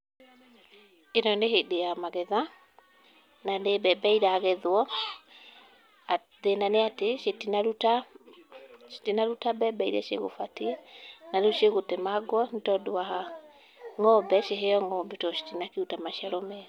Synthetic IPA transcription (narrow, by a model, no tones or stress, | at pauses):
enɔneɦedejamaɣɛða | nanebɛbɛiɾaːɣɛðwɔ | a | ðenaneateʃetinaɾuta | ʃe̥tenaɾutabɛbɛiɾɛ̰ʃḛɣo̰fatiɛnaɾoʃeɣotɛmaɡwɔnetɔdoaɦa | ŋɔbɛʃeɦeɔŋɔbitɔʃe̥tinakeutamaʃiaɾɔmɛ